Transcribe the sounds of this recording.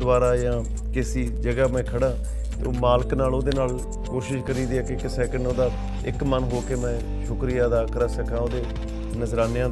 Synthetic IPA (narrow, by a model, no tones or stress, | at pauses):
ʋaːɾaːjãː | kɪsiːd͡ʒəɡaːmɛ̃ːkʰəɽãː | t̪eoːmaːlknaːloːd̪eːnaːl | koːʃɪʃkəɾiːd̪iɛːkɪɪksɛːkəɳɖoːd̪aː | ɪkmənɦoːkeːmɛ̃ː | ʃʊkɾɪjaːd̪aːkəɾəsəkãːoːd̪eː | nəzɾaːnejãː